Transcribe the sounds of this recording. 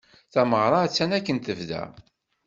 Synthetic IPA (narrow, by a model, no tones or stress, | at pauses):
θæməʁɾˤɑæt͡sːænækːənt̪əvðæ̰